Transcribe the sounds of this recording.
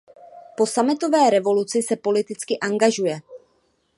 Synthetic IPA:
po̞samɪt̪o̞vɛːɾɛvo̞lut͡sɪsɛpo̞lɪt̪ɪt͡skɪʔaŋɡaʒujɛ

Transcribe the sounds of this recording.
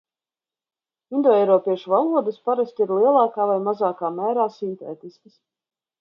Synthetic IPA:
ind̪ɔːɛjɾɔːpiɛʃuvalˠuɔd̪əspaɾast̪ʲiɾlˠiɛlˠɑːkaːvajmazaːkaːmæːɾaːsint̪ḛːt̪iskəs

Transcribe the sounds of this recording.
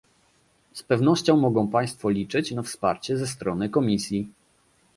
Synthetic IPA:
spɛvnɔɕt͡ɕɔ̃w̃mɔɡɔ̃w̃paj̃st̪fɔlʲit͡ʂɘt͡ɕnafspa̰ɾt͡ɕɛzɛst̪ɾɔnɘkɔmʲisʲji

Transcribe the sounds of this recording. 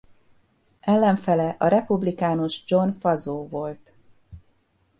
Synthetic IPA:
ɛlːɛɱfɛlɛʔɒɾɛpublikaːnoʒd͡ʒo̞nfɒzoːvo̞lt̪

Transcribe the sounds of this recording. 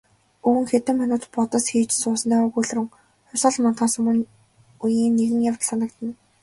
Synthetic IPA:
uwɘ̆ŋxet̪ɘ̆mːanʊːt̪pɔt̪ə̆sxiːt͡ɕsʊːsə̆nt̪aːʊɣuɮ̆rɘ̆ŋ | χʊsə̆ɮmant̪ɢaːsə̆ŋ | ujiːnːeɣɘ̆ŋjawt̪sanə̆kt̪ə̆n

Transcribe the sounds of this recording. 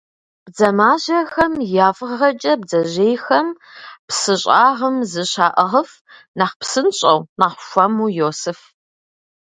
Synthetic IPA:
b̥d͡zɐmaːʑɐxɐmjaːfʁʁɐt͡ʃʼɐb̚zɐʑeːjxɐm | psɨɕʼaːʁɐmzɨɕaːʔɐʁəf | naːχpsɨnɕʼɐwnaːχʷʊʃʷɐmuːjoːsɨf

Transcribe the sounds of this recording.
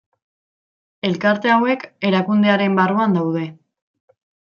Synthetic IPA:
e̞lkaɾt̪e̞awe̞ke̞ɾakund̪e̞aɾe̞mbaruand̪awðe̞

